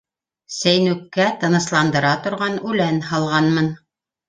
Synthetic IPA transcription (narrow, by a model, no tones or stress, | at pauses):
sæjnʉkːæt̪ɤ̆nɤ̆slˠɑnd̪ɤ̆ɾɑt̪ŏɾʁɑnʉlænhɑlˠʁɑnmɤn